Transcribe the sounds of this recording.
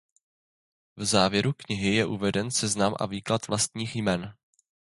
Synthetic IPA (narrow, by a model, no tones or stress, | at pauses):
vzaːvjɛɾukɲɪɦɪjɛʔuvɛdɛnsɛznamʔa̰viːklat̪vlast̪ɲiːxjmɛn